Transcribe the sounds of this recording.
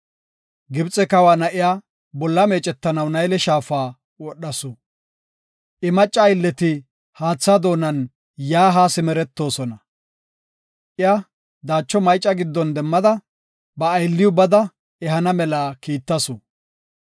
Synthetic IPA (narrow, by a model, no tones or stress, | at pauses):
ɡɪbt͡sʼɛkɐwaːnɐʔɪjaː | bɔlːɐme̞ːt͡ʃʼɛt̪ːɐnɐwnɐjlɛʃaːfaː | wɔɗːɐsʊ | ʔɪmɐt͡ʃʼːɐjlːɛt̪ɪ | haːt͡sːad̪o̞ːnɐn | jaːɦaːsɪmɛɾɛt̪ːo̞ːsɔnɐ | ʔɪjɐ | d̪aːt͡ʃːɔmɐjt͡ʃʼːɐɡɪd̪ːɔnd̪ɛmːɐd̪ɐ | bɐːjlːɪjʊbɐd̪ɐ | ɛɦɐnɐmɛlaːkiːt̪ːɐsʊ